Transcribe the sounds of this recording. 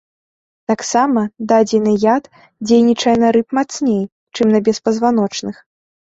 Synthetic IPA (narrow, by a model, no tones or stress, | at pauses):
t̪aksamɐd̪ad͡zʲinɨjat̪ | d͡zʲejnʲit͡ʂɐjɛnɐɾɨpmat̪snʲej | t͡ʂɨmnɐbʲɛspɐzvan̪ɔt͡ʂnɨx